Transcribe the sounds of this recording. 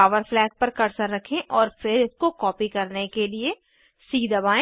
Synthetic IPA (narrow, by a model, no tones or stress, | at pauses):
aːʋəɾflɛːk̚pɐɾkɐɾsəɾːɐkʰẽʔɔːɾfɪɾɪskokɔːpikɐɾnekelie | siːd̪ɐbaːẽ